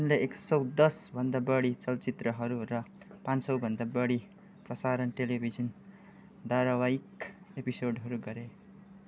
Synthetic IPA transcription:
unleeksʌwd̪ʌsbʱʌnd̪abʌɽit͡sʌlt͡sit̪rʌɦʌɾurʌ | pansʌwbʱʌnd̪abʌɽi | prʌsaɾʌnʈelibʱid͡zʌn | d̪aɾʌwajikepisoɖɦʌɾuɡʌɾe

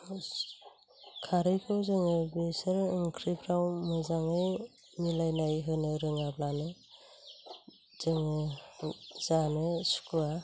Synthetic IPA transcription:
kʰaɾɯjkʰɯwzɯŋɯbesɯɾɯŋkʰɾipʰɾawmɯzaŋɯj | milajnajɦɯnɯɾɯŋablanɯ | z̥ɯŋɯ | z̥anɯsu̥kua

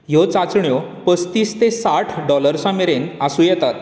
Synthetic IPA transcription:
jot͡sat͡sɳjɔpəst̪iːst̪esaʈʰɖɔləɾsãmeɾenasũːjɛt̪at̪

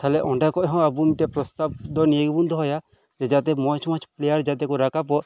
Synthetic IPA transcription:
t̪ʰalɛʔɔɳɖakɔʔɦɔ̃abunʈɛpɾɔst̪ab̚d̪ɔnijeɡɛbund̪ɔɦɔja | d͡ʒɛd͡ʒat̪̬ɛmɔt͡ʃʰmɔ̃t͡ʃʰplɛjaɾd͡ʒat̪̬ɛkɔɾakapɔʔ

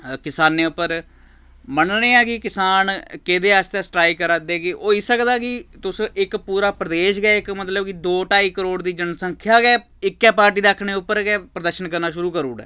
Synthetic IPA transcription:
kɪsaːnːeːʊpːəɾ | məɳneːɛːkɪkɪsaːnked̪eːast̪ɛːsʈɾaːikəɾaːd̪eːɡiʔoːɪsəkd̪aːkɪt̪ʊsɪkpuːɾaːpɾəd̪eːʃɡɛːɪkmət̪ləbkid̪oːʈaːiːkəɾoːɽd̪iːd͡ʒənsəŋkʰjaːɡɛː | ɪkːɛːpaːɾʈ̬iːd̪aːkʰːɳeːʊpːəɾɡɛːpɾəd̪əɾʃənkəɾnaːʃʊɾuːkəɾuːɽɛ̰ː

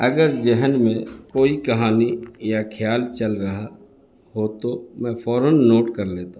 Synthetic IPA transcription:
ɐɡəɾd͡ʒɛɦənmẽkoːikɐɦaːnijakʰjaːlt͡ʃɐlɾɐɦa | ɦot̪omɛ̃ːfʰɔːɾənːoːʈkɐɾleːt̪a

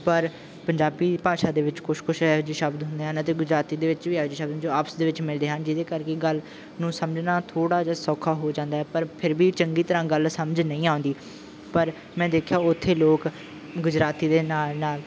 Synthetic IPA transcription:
pəɾ | pəɲd͡ʒaːbiːpaːʃaːd̪eːʋɪt͡ʃkʰʊʃkʰʊʃɛːd͡ʒiːʃəbd̪ɦʊ̃nd̪eːɦant̪̬eːɡʊd͡ʒɾaːt̪iːd̪eːʋɪt͡ʃʋiːɛːd͡ʒiːʃəbd̪d͡ʒoːaːpsd̪eːʋɪt͡ʃmɪld̪eːɦənd͡ʒɪd̪eːkəɾkeːɡəl | nũːsəmd͡ʒnaːt̪ʰoːɽaːd͡ʒaːsɔːkʰːaːɦoːd͡ʒãːnd̪aːɛːpəɾpʰɪɾbiːt͡ʃəŋɡiːt̪əɾãːɡəlsəməd͡ʒnəĩːaːʊ̃nd̪iː | pəɾ | mɛ̃ːd̪eːkʰjaːʊt̪ʰːeːloːk | ɡʊd͡ʒɾaːt̪iːd̪eːnaːnaːl

